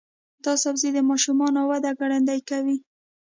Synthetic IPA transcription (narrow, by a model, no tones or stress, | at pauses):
d̪ɑsabzed̪əmɑʃumɑnowad̪aɡaɽand̪ajkawi